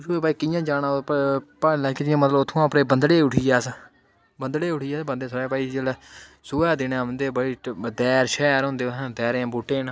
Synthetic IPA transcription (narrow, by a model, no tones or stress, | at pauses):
sueːbaːiːkɪjãːd͡ʒaːnaːpaːlakɪd͡ʒɪjãːmət̪ləbʊt̪ʰːõːãːpɾeːbənd̪ɽeːʊʈʰiːjaːs | bənd̪ɽeːʊʈʰiːaːsbənd̪eːsəɛːpaːiːd͡ʒelɛː | sʊːɛːd̪ɪnãːʋənd̪eːbəɽiːd̪ɛːɾʃɛːɾɦõːnd̪eːãːd̪ɛːɾãːbuːʈeːnː